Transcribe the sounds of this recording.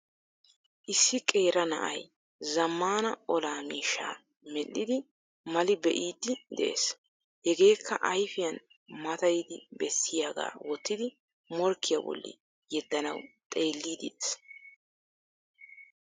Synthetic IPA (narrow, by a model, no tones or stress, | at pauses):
ʔɪsːɪkʼe̞ːɾɐnɐ̰ʔɐj | zɐmːaːnɐɔlaːmiːʃaː | mɛlːɪd̪ɪ | mɐlɪbɛʔiːd̪ːɪd̪ɛ̰ʔḛːs | hɛɡe̞ːkʰːɐʔɐjfɪjɐn | mɐt̪ɐjɪd̪ɪbɛsːɪjaːɡa̰ːwɔt̪ːɪd̪ɪ | mɔɾkːɪjɐ̰bɔ̰lːɪ̰ | jɛd̪ːɐnɐwt̪ʼe̞ːlːiːd̪ɪd̪es